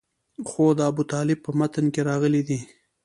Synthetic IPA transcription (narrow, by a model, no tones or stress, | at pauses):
xod̪əabut̪ɑlɪb̚pːəmat̪ənkeɾɑɣəlid̪i